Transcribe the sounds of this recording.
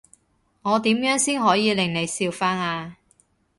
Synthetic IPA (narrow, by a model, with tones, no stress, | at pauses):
ŋɔː˨˧t̪iː˨˥mjœː˨˥ŋsiː˥nɦɔː˨˥jiː˨˧lɪ˨˩ŋne˨˧jsiː˧wfaː˥naː˧